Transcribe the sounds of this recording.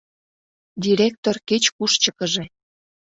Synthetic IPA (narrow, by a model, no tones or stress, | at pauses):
d̪ʲiɾʲek̚t̪orket͡ɕkuʃt͡ɕə̆kəʒe